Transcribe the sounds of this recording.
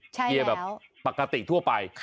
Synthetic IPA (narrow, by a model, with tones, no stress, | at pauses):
t͡ɕʰi˧əbɛː˨˩˦pa˨˩ka˧t̪ḭ˨˩t̪ʰu˥˩əpa˧jʰ